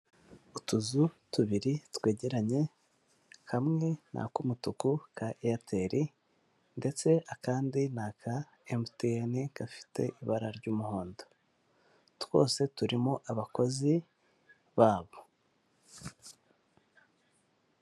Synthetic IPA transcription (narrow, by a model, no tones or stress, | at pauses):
utuzutuβiɾitwe̞ːɟe̞ɾaɲe̞ | kamŋe̞nʔa̰kumutukukaʔatʰe̞ɾʔi | nde̞t͡se̞akaːndinakʰa | emteenikafi̥tʰe̞̰ʔiβaɾaɾɟuːmuhoːndo | tw̥o̞ːse̞tuɾimoʔaβako̞zi | βaːβo